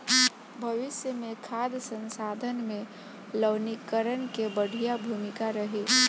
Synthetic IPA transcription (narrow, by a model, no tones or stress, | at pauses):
bʱəʋɪsjəmẽkʰaːd̪sə̃nsaːd̪ʱənmẽ | ləʋnikəɾənkebəɽ̤ʱijabʱuːmɪkaɾəɦe